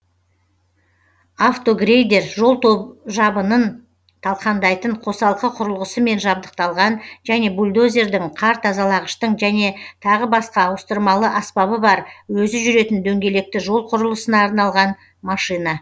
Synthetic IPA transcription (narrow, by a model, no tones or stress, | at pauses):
aft̪o̞ɡrejd̪e̞ɾʒo̞lˠt̪ʰoʒɑbənən | t̪ʰɑlˠqɑnd̪ɑjt̪əɴqʰo̞sɑlˠqəqʰʊɾəlˠʁəsəme̞nʒɑb̚d̪əq̚t̪ɑlˠʁɑnʒæne̞bulʲd̪o̞zʲe̞ɾd̪ɪɴqʰɑɾt̪ʰɑzɑlˠɑʁəʃt̪əɴʒæne̞t̪ʰɑʁəbɑsqɑːwəst̪əɾmɑlˠəʔɑspɑβəbɑɾwɵzɪʒʏɾe̞t̪ɪnd̪ɵŋɡʲe̞le̞k̚t̪ɪʒo̞lˠqʰʊɾəlˠəsənɑːɾnɑlˠʁɑn | mɑʃijnɑ